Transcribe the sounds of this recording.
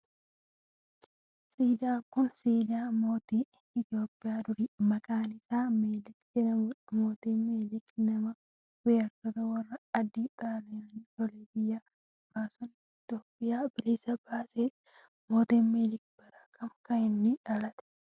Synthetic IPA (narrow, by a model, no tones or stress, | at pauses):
siːd̪ɪaːkʊnsiːd̪ɪaːmo̞ːt̪iː | ɪt̪ɪo̞ːpʼːɪjaːd̪ʊɾimɐkʼaːnɪsaːmeːlɪkd͡ʒɛnɐmʊᶑɐmoːt̪iːmeːlɪknɐmɐ | weːɐkːɐt̪ɐwɐrːɐɐd̪ːit̪ʼaːlɐjɐnt̪ɔleːbɪjːaː | baːsɔn | ɪt̪joːpʼːɪjaːb̥ɪlɪsɐbaːseː | mo̞ːt̪iːmeːlɪk̚b̥ɐɾɐ̥kʰɐmkɐɪnːɪᶑɐlɐt̪ɛ̥